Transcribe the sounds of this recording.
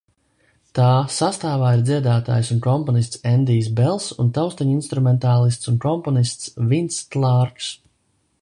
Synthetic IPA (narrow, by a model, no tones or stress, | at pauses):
t̪aːsast̪aːvaːiɾd̪ziɛd̪aːt̪a̰ːjsunkɔmpɔnist̪sɛnd̪iːs̬bɛlˠsṵnt̪awst̪aɲinst̪ɾumɛnt̪aːlˠist̪sunkɔmpɔnist̪svint̪st̪lˠɑːɾks